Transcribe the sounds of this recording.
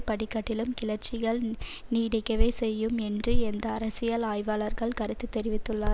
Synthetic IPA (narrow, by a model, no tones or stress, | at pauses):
pɐɽɪkːɐʈːɪlɯmkɪlɐɾt͡ʃɪɣɐɭniːɽɐkːɐʋeːsɛjːɯmɛndrɯɛnd̪ɐːɾɐsɪjɐlaːjʋaːlɐɾɣɐɭkɐɾɯt̪ːɯt̪ːɛɾɪʋɪt̪ːɯɭːaː